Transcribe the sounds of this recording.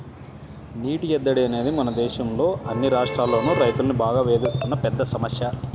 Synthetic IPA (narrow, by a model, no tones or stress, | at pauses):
niːʈiɛd̪ːɐɽiɐne̞ːd̪imɐnɐd̪ɛːʃɐmlo̞ːʔɐnːiɾaːʂʈɾaːlːo̞ːnuːɾɐjt̪ulɐnibaːɡaːʋe̞ːd̪ust̪unːɐpɛd̪ːɐsɐmɐsjɐ